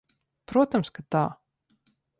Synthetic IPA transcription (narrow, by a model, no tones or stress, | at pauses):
pɾuɔt̪amskat̪a̰ː